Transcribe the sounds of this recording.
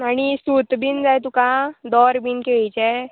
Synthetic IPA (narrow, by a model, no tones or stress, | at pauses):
aɽ̃isut̪biːnd͡zajt̪ukãd̪ɔɾbʱinkeɭit͡ɕɛ